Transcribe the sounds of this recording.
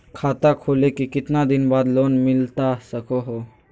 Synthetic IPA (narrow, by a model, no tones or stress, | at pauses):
kʰaːt̪akʰoːlekikɪt̪nad̪ɪnbaːd̪loːnmɪlt̪asəkoɦoː